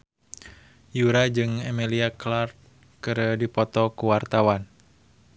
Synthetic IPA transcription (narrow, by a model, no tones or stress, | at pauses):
juɾad͡ʒɨŋɛmiliaklart̪̚ | kɨɾədipɔt̪ɔkuwart̪awan